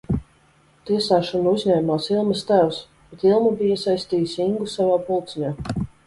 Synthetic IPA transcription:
t̪iɛsaːʃɔnuuzɲʲɛːmaːsilˠmɐst̪æws | b̥ɛt̪ilˠmubijiɛsajst̪iːjisiŋɡusavaːpulˠt̪siɲaː

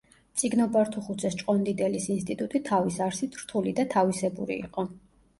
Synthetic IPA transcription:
t̪sʼiɡnɔbaɾt̪ʰuχut̪sʰɛst͡ʃʼqʼɔnd̪id̪ɛlisinst̪ʼit̪ʼut̪ʼit̪ʰavisaɾsit̪ʰɾ̥t̪ʰulid̪at̪ʰavisɛbṵɾḭḭqʼɔ

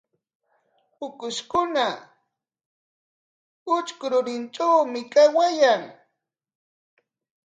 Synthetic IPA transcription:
ʊkʊʃkʊna | ʊt͡ʃkʊɾʊɾɪnt͡ʃawmɪkawajaŋ

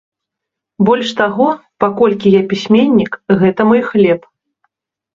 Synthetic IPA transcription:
bɔlʲʂt̪aɣɔpakɔlʲkʲijapʲisʲmʲenʲːikɣɛt̪ɐmɔjxlʲɛp

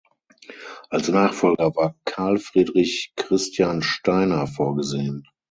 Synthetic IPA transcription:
ʔalsnaːχfɔlɡɐvaːɐkʰaɐlfʁ̥iːdʁɪçkʁ̥ɪstʰjaːnʃtaɪnɐfoːɐɡəzeːən

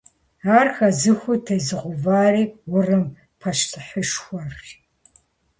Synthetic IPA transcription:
aːrxɐzɨxʷʊtʰejzɨʁʷʊvaːriːwʊrɨm | pʰɐʂtʰɨħəʂxʷɐr

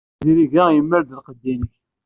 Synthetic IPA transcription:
ðiɾiʝæjəmːəɾd̪əlqəd̪ːiməç

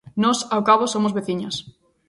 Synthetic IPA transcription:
nɔsawkaβosomʊzβeθiɲos

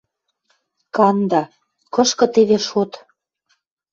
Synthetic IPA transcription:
kɑnd̪ɑ | kɤ̆ʃkɤ̆t̪eβeʃot̪

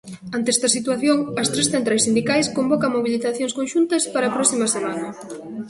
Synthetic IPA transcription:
ant̪eest̪ɐsit̪waθjoŋɐst̪ɾesθent̪ɾajsind̪ikajskombɔkɐŋmoβiliθaθjoŋskõnʃunt̪ɐspaɾɐpɾɔsimɐsemanɐ

